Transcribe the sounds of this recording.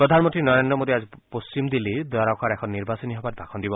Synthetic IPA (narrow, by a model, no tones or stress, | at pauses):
pɾɔd̪ʱanmɔnt̪ɾinɔɾendɾɔmod̪iazipost͡ʃimd̪iled̪ɔaɾakʰaɾɛkʰɔnːiɾbasɔniɦɔbat̚bʱakʰɔnd̪ibɔ